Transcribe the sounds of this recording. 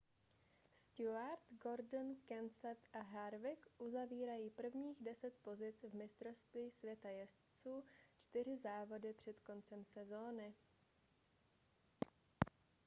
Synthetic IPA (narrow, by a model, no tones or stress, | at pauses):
st̪uaɾt̪ɡo̞ɾdn̩kɛnsɛt̪ʔaɦaɾvɪkʔuzaviːɾajiːpr̩vɲiːɣdɛsɛt̪̚po̞zɪt͡svmɪst̪ɾo̞st̪viːsvjɛt̪ajɛst̪t͡suːt͡ʃt̪ɪr̝ɪzaːvo̞dɪpr̝̥ɛt̪ko̞nt͡sɛmsɛzo̞ːnɪ